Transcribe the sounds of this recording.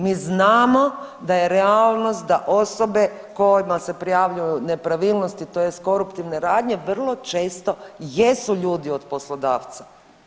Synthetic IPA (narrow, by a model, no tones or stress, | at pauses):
miznaːmo̞d̪aje̞ɾeaːlˠno̞st̪̚d̪aʔo̞so̞be̞ | ko̞jimase̞pɾijaːʋʎujune̞pɾaʋiːlˠnost̪it̪ojest̪ko̞ɾupt̪iʋne̞ɾaːd̪ɲe̞ʋr̩lˠo̞t͡ʃe̞ːst̪o̞jesuʎuːd̪io̞d̪po̞slod̪aːʋt̪sḁ